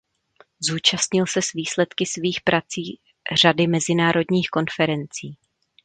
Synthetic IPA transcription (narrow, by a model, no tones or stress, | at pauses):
zuːt͡ʃast̪ɲɪlsɛsviːslɛt̪kɪsviːxpɾʔat͡siː | r̝adɪmɛzɪnaːɾo̞dɲiːxko̞nfɛɾɛnt͡siː